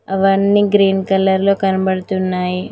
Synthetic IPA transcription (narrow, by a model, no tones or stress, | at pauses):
ɐʋɐnːiːɡɾiːnkɐlɐɾlo̞ːkɐnɐbɐɽɐt̪unːaːji